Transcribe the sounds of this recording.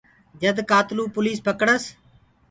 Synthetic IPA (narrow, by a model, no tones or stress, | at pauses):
d͡ʒəd̪kaːt̪luːpʊliːspəkəɽəs